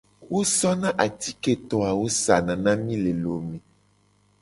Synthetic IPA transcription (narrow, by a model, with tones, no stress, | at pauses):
wo˦sɔ˦nã˦ʔa˨t̪i̥˦ke˦t̪ɔ˨a˨wo˦sa˨nã˨nã˦mĩ˦le˨lo˨mẽ˨